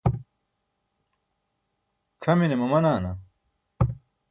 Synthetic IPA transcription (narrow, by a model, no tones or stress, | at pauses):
kʰɐminemɐmɐnaːnɐ